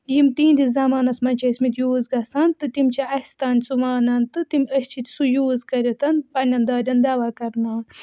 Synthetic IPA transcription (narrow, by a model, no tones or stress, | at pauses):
jimt̪ĩːnd̪izɐmaːnɐsmɐnʲt͡ʃʰɐisʲmit̪juːzɡɐsɐnt̪ɨt̪imʲt͡ʃʰiɐsʲt̪aːnʲsumaːnɐnt̪ɨt̪imʲɐsʲt͡ʃʰit̪ʲsujuːzkɐɾʲet̪ɐnpɐnʲɐnd̪aːɾʲɐnd̪ɐʋakɐɾnaːn